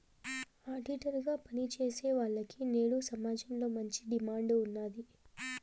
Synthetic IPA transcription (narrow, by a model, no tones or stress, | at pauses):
aːɖiʈɐɾɡaːpɐnit͡ʃe̞ːse̞ːʋaːɭːɐkine̞ːɽusɐmaːd͡ʒɐmlo̞ːmɐɲt͡ʃi̥ɖimaːɳɖunːaːd̪i